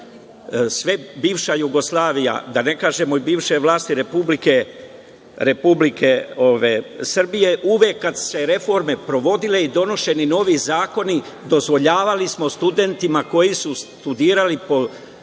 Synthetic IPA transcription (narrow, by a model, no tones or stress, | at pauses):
sʋe̞biːʋʃajuɡo̞slˠaːʋija̰d̪ane̞kaːʒe̞mo̞ibiːʋʃe̞ʋlˠaːst̪iɾe̞publike̞ | ɾe̞publikʰeoʋesr̩bije̞ʔuʋekːad̪se̞ɾe̞fo̞ɾme̞pɾo̞ʋo̞d̪ile̞id̪o̞no̞ʃe̞nino̞ːʋizaːko̞ni | d̪o̞zʋo̞ʎaːʋalismo̞st̪ud̪e̞nt̪imako̞jisust̪ud̪iːɾalipo̞